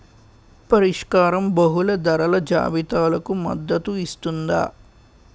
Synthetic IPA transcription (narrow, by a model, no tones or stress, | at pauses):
pɐɾiʂkaːɾɐmbɐɦulɐd̪ɐɾɐlɐd͡ʒa̰ːbit̪aːlɐkumɐ̰d̪ːɐt̪uist̪und̪a̰ː